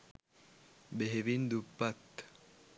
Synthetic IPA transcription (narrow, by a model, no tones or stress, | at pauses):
beɦebind̪upːat̪ː